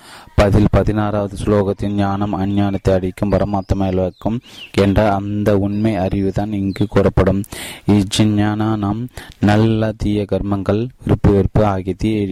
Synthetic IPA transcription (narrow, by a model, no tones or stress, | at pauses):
pɐðɪlpɐðɪnaːɾaːʋɐðɯsloːɣɐt̪ːɪnɲaːnɐmɐnɲaːnɐt̪ːɐɪɐɽɪkːɯmʋɐɾɐmaːt̪ːɐmɐːjɐlʋɐkːɯmɛndrɐːnd̪ɐʊnmɐɪɐrɪʋɯðaːnɪŋɡɯkuːrɐpːɐɽɯmɪd͡ʒɪnɲaːnaːnaːmnɐlːɐt̪ijɐɡɐɾmɐŋɡɐɭʋɪɾɯpːɯʋɛɾpːɯaːɣɪt̪ːie